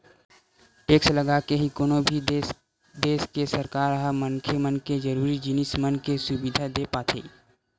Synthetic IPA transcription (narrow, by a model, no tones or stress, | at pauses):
ʈeːksləɡakeɦikoːnobʱi | d̪eːskesəɾkaːɾəɦamənkʰemənked͡ʒəɾuːɾid͡ʒɪnɪsmənkesʊbɪd̪ʱad̪eːpaːt̪ʰḛː